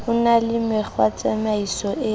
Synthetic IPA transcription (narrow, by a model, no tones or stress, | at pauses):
ʊnalɪmɪk͡xwat͡sʼamaisɔʔɪ